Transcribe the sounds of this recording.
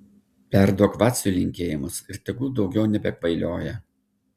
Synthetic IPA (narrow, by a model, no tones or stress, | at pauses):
pʲæɾd̪oːkʋɑt̪ʲsʲʊlʲɪŋʲkʲeːjɪmʊsɪɾt̪ʲɛɡuːd̪ɒʊɡʲɛʊnʲɛbʲɛkʋɐɪlʲoːjɛ